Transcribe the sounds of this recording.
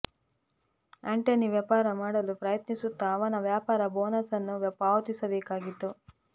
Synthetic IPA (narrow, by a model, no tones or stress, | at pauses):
eɳʈeniʋjaːpaːɾɐmaːɽɐlupɾɐjɐt̪nisut̪ːɐːʋɐnɐʋjaːpaːɾɐboːnɐsɐnːuʋɐpaːʋɐt̪isɐbeːkaːɡit̪ːu